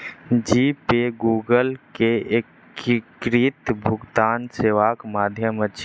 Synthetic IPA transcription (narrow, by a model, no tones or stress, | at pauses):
d͡ʒiːpeɡuːɡəlkeek | kɾit̪bʱʊɡt̪aːnseːʋaːkmaːd̪ʱjəmət͡ʃʰ